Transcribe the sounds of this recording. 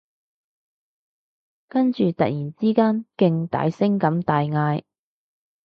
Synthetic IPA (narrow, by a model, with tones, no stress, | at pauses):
kɐ˥nt͡ʃyː˨t̪ɐ˨k̚jiː˨˩nt͡siː˥kaː˥nkɪ˧ŋt̪a̰ː˨˧˥jsɪ˥ŋkɐ˨˥mt̪aː˨jŋaː˧j